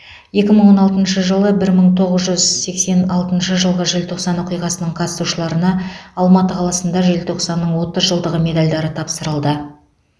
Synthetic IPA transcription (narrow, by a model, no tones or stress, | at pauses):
je̞kʲɪməɴwo̞nɑlˠt̪ənʃəʒəlˠəbɪɾməɴt̪ʰo̞ʁəzʒʏzse̞kse̞nɑlˠt̪ənʃəʒəlˠʁəʒɪlt̪ʰo̞qsɑnwoqijʁɑsənəɴqʰɑt̪ə̥suʃəlˠɑɾənɑɑlˠmɑt̪əqʰɑlˠɑsənd̪ɑʒelt̪ʰo̞qsɑnːəɴwo̞t̪əzʒəlˠd̪əʁəme̞d̪alʲd̪ɑɾət̪ʰɑpsəɾəlˠd̪ə